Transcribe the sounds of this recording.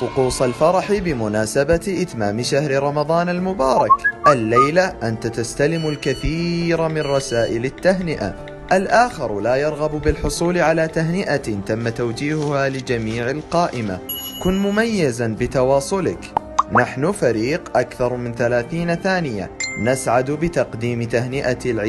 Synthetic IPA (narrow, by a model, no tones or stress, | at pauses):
fʊquːsˤɑlfɑɾˤɑħɪbɪmʊnaːsabaʔɪt̪maːmɪʃahɾɪɾˤɑmɑðˤɑːnalmʊbɑːɾˤɑkʔalːajlaʔant̪at̪ast̪alɪmʊlkaθiːɾamɪnrˤɑsaːʔɪlɪt̪ːaɦnɪʔa̰ | ʔalʔaːxɪɾˤlaːjɑɾˤɣɑbbɪlħʊsˤuːlʕalaːt̪aɦnɪʔat̪amːat̪awd͡ʒiːhʊhalɪd͡ʒamiːʕɪlqɑːʔɪma̰kʊnmʊmajːazanbɪt̪ɑwɑːsˤʊlɪk | naħnʊfaɾiːqʔakθɑɾˤmɪnθalaːθiːnaθaːnɪja̰nasʕad̪bɪt̪ɑqd̪iːmt̪ahnɪʔalʕ